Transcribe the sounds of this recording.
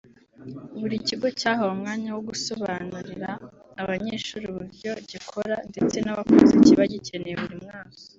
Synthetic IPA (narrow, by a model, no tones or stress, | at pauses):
uβuɾiciɡo̞caːɦoumŋaːɲawoɡuso̞βaːnuɾiɾaː | βaɲeːʃuɾuβuɾɟo̞ɟikʰo̞ɾande̞t͡se̞naβakuziciβaɟice̞nejeβuɾimŋaːkḁ